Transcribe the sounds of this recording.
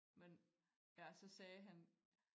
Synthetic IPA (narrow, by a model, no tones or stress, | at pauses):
men | jæsɒ̽sɛːɦæn